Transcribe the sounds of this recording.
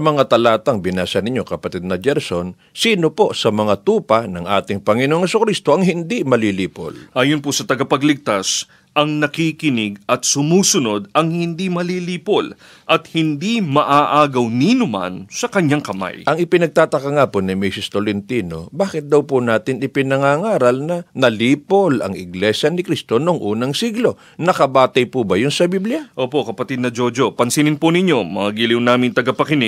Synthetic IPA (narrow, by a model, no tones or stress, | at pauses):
ɐmɐŋat̪ɐlaːt̪ɐŋbɪnaːsɐnɪɲokɐpɐt̪ɛd̪nɐd͡ʒɛɾson | siːno̞posɐmɐŋat̪uːpɐnɐŋʔa̰ːt̪ɪŋpɐŋɪnoŋhɛsʊkɾist̪o̞ʔɐŋhɪnd̪imɐliliːpo̰lʔaːjʊnposɐt̪ɐɡapɐɡlɪɡ̚t̪as | ʔɐŋnɐkikɪnɪɡɐt̪̚sʊmuːsʊno̞d̪ɐŋhɪnd̪imɐliliːpol | ʔɐt̪hɪnd̪imɐʔaʔaːɡɐwninʊma̰nsɐkɐɲːaŋkɐma̰jʔɐŋɪpɪnɐɡ̚t̪aːt̪ɐkɐŋapʊnɪmisɪst̪olɪnt̪iːno̞̰baːkɪt̪̚d̪ɐwpʊnaːt̪ɪnɪpɪnɐŋaːŋaːɾɐlnɐnɐliːpolɐ̰ŋɪ̰ɡlɛʃjɐnɪkɾist̪o̞noŋʔuːnɐŋsiɡlo̞ | nɐkɐbaːt̪ɐjpubɐjʊnsɐbiblɪjaʔoːpo̞ʔkɐpɐt̪id̪̚nɐd͡ʒod͡ʒopɐnsinɪnpʊnɪɲo̞mɐŋaɡiliwnaːmɪŋt̪ɐɡɐpɐkɪnɪ